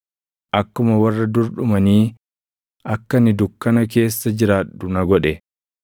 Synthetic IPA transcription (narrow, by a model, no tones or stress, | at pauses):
ʔɐkːʊmɐwɐrːɐd̪ʊɾɗʊmɐniː | ʔɐkːɐnɪd̪ʊkːɐnɐk̬e̞ːsːɐd͡ʒɪɾaːɗʊnɐɡɔᶑɛ